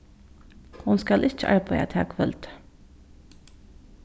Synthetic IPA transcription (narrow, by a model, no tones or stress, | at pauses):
hʊnskɑlʔɪc͡çəʔɑ̰ɹbœʏæ̰t̪ʰɑ̰ːkʰʋœlt̪